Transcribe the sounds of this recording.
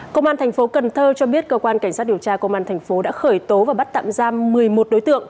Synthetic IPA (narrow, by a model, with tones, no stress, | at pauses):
kə˧ŋ͡mʔaː˧nt̪ʰɛ˨˩ŋ̟fo˨˦kə˨˩nt̪ʰəː˧t͡ɕɔ˧ɓi˦˥ət̚kəː˧kwaː˧nka˧˩ŋ̟saː˦˥t̚ɗi˨˩əwt͡ɕaː˧kə˧wŋ͡mʔaː˧nt̪ʰɛ˨˩jŋ̟fo˨˦ɗa̰ː˧˥xəː˧˩jt̪o˨˦vaː˨˩ɓa˦˥t̚t̪a̰ː˧˨mzaː˧mmɨ˨˩əjmo˨˩t̚ɗo˨˦jt̪ɨ̰˧˨əŋ